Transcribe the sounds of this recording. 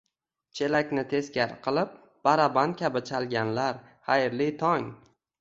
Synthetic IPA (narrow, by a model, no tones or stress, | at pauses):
t͡ʃʰe̞lakʲnɪt̪ʰe̞skʲaɾqʰɨlˠɪp̚ | b̥aɾabant̪̚kʲʰabɪt͡ʃʰalɡʲanlaɾ | χajɾlit̪ʰɒŋ